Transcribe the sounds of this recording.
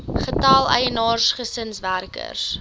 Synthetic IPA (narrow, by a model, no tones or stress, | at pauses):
χətɐlˠə̰jənɑːrsχəsənsværkə̰rs